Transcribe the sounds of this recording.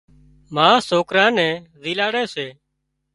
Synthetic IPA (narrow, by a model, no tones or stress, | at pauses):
mãːsoːkɾãːnɛ̃ːziːlaːɽɛ̃ːseː